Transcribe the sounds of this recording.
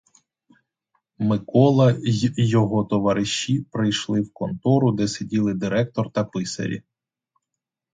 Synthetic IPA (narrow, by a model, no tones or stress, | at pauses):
mɪkɔlˠɐjɔɦɔt̪ɔʋɐɾɪʃːipɾɪjʃlˠɪwkɔnt̪ɔɾʊd̪ɛsedʲilˠɪd̪ɪɾɛk̚t̪ɔrt̪ɐpɪsɐ̰ɾʲḭ